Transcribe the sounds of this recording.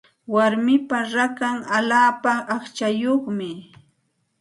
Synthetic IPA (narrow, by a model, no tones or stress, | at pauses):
waɾmɪpaɾakaŋalaːpaʔːχt͡ʃajoχmɪ